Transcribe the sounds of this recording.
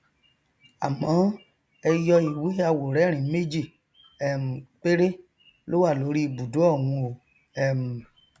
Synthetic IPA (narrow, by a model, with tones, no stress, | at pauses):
a̰˨mã˨˦ | ɛ˧jɔ˧i˨wi˨˦a˧wo˨ɾɛ˨˦ɾ̃ĩ˨˦me˦d͡ʒi˦˨ | ɛ˦˨m̩˨k͡pe˦ɾe˦ | lo˦wa˦˨lo˨˦ɾi˦˨bu˨do˨˦ɔ˦˨wũ˧o˨ | ɛ˦˨m̩˨